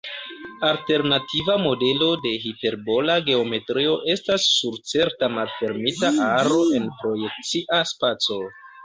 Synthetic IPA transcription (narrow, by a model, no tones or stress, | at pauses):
alte̞ɾnatʰivamo̞de̞lo̞de̞ɦite̞ɾbo̞laɡe̞o̞me̞tɾio̞ʔe̞stasːuɾt͡se̞ɾtamalfe̞ɾmitaʔaɾo̞ʔe̞npɾo̞je̞k̚t͡siʔaspat͡so̞